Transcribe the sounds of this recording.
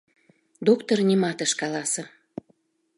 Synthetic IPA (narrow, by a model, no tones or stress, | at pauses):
d̪okt̪ornʲimɑt̪əʃkɑlɑsə